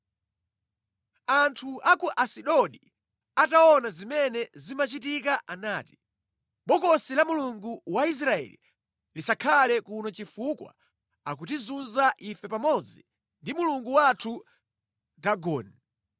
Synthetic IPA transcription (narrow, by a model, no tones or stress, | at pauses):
antʰuʔakuʔasiɗɔɗi | ataɔnazimɛnɛzimat͡ʃitikaʔanaːti̥ | ɓɔkɔsilamuluŋɡuwais̬ɾaɛ̰lḭ | lisakʰalɛkunɔt͡ʃifukwa̰ | ak̬ut̬izunzaʔifɛpamɔd͡zi | ndimuluŋɡuwatʰu | daɡɔːni